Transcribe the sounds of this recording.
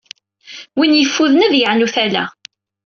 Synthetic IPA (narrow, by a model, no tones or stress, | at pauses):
winjəfːuðnæðjəʕnuθælæ̰